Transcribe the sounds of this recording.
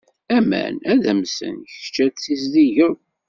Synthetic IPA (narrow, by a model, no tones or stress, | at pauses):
æmæ̰næðæmsə̰nç̥t͡ʃːæt͡sːisðiʝəɾ